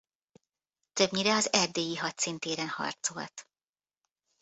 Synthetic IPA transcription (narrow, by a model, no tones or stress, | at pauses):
t̪ø̞bɲiɾɛɒzɛrd̪eːjiɦɒtsint̪eːɾɛnhɒ̰rt̪so̞̰lt̪